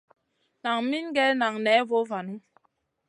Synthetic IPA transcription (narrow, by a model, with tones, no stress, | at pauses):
na˨ŋmi˦n˦ɡɛ˦na˨ŋnɛ˨˦vo˦va˨nu˦